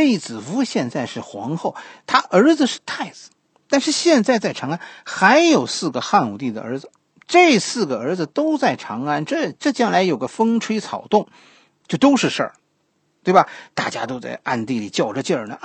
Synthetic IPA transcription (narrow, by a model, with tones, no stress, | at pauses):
i˧˩t͡sɹ̩˨˩fu˧˥ɕjɛ˥˧nt͡sa˥˧ɪʂɻ̩˥˩xwɑ̰˧˥ŋxo˥˩ʊt̪ʰa˥ʔə˞˧˥d͡zɹ̩˧ʂɻ̩˥˧t̪ʰa˥˩ɪt͡sɹ̩˨˩˦ | t̪a˥˧nʂɻ̩˥˧ɕjɛ˥˧nt͡sa˥˧ɪt͡sa˥˩ɪʈ͡ʂʰɑ˧˥ŋa˥nxa˧˥ɪjo˨˩ʊsɹ̩˥˩ɡə˩xa˥˩nu˨˩t̪i˥˩d̪ə̰˩ə̰˞˧˥d͡zɹ̩˧ | ʈ͡ʂɤ˥˧sɹ̩˥˩ɡə˩ə˞˧˥d͡zɹ̩˧t̪o˥ʊt͡sa˥˩ɪʈ͡ʂʰɑ˧˥ŋa˥nʈ͡ʂɤ˥˧ʈ͡ʂɤ˥˩t͡ɕjɑ˥ŋla˧˥ɪjo˨˩ʊɡə˦fɤ˥ŋʈ͡ʂʰwe˥ɪt͡sʰɑ˨˩ʊt̪ʊ˥˩ŋ | t͡ɕjo˥˩ʊt̪o˥ʊʂɻ̩˥˧ʂə̰˞˥˩ | t̪we˥˩bɐ˩t̪a̰˥˩t͡ɕja̰˥t̪o˥t͡sa̰˥˧ɪʔa̰˥˧nt̪i˥˩li˨˩t͡ɕjɑ˥˩ʊʈ͡ʂə˧t͡ɕjə˥˩nə̰˩